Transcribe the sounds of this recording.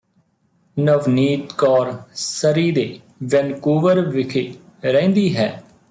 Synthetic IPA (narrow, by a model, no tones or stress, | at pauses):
nəʋniːt̪kɔːɾsəɾiːd̪eː | ʋɛnkuːʋəɾʋɪkʰeː | ɾɛ̃ːnd̪iːɦɛː